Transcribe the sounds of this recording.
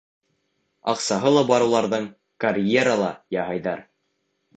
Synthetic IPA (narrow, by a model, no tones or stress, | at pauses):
ɑqsɑɦɤlˠɑbɑɾɤ̆wlˠɑɾðɤɴ | kɐrʲjeɾalˠɑjɑɦɑjðɑɾ